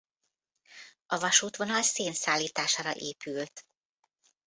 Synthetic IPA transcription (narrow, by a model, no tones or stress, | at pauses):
ɒvɒʃuːt̪ʋo̞nɒlseːnsaːlːiːt̪aːʃaːɾɒ̰ʔeːpylt̪